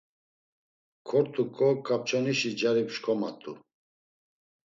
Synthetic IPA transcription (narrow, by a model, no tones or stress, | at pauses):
kʰɔɾt̪ʰʼukʰʼɔkʰʼːap̚t͡ʃʰʼɔniʃid͡ʒaɾipʃkʰɔmat̪ʼṵ